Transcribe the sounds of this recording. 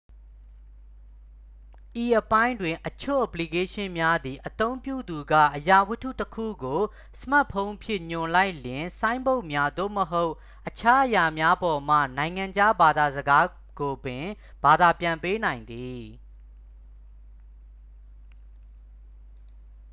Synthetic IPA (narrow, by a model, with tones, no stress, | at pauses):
ʔi˨ʔəpã˦ɪ̃ndwɪ̃˨ʔət͡ɕʰo̰˦˨ʔə˨pli˨ke˦ʃɪ̃˦mja˦d̪i˨ʔət̪õ˦ʊ̃mpjṵ˦˨d̪u˨ɡä̰˦˨ʔəja˨wʊ˦tʰṵ˦˨təkʰṵ˦˨ɡo˨ | sə̥ma˦˨pʰõ˦ʊ̃mpʰjɪ̃˦˨ɲʊ̃˨la˦ɪʔljɪ̃˨sã˦ɪ̃mbo˦ʊʔmja˦d̪o̰˦˨məɦo˦ʊʔ | ʔət͡ɕʰa˦ʔəja˨mja˦bɔ˨m̥ä̰˦˨nã˨ɪ̃ŋã˨ɲd͡ʑa˦ba˨d̪a˨zəɡa˦ | ɡ̥o˨bɪ̃˨ | b̥a˨d̪a˨pjã˨mpe˦nã˨ɪ̃nd̪i˨